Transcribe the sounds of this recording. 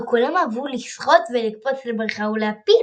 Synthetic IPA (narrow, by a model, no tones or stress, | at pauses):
kulamavulisχo̞t̪velikpo̞t͡slebʁaχauleapi